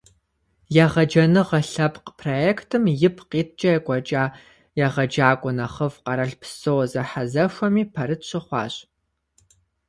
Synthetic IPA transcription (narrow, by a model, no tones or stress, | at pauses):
jaʁɐd͡ʒɐnɨʁɐɬɐpqpʰrojeːktʰɨmjɪpʰqiːt̚ʰt͡ʃʼɐjɛkʷʼɔt͡ʃʼaː | jɛʁɐd͡ʒaːkʷʼʊnɐχəvqɐɾɐɬpʰsowzɐħazɐʃʷɐmiːpʰɐɾɨtɕʰʼɪχʷɑ̰ːɕʼ